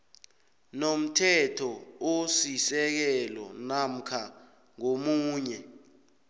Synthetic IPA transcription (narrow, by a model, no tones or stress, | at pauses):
nom̩tʰɛtʰɔosisɛk̬ɛlɔ̰nam̩kʰa | ŋomuːɲɛ